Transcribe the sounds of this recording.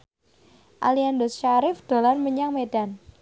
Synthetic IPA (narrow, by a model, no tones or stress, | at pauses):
ʔa̰liandɔsʃaɾɪfd̪̥o̤larməɲaŋmeɖ̥an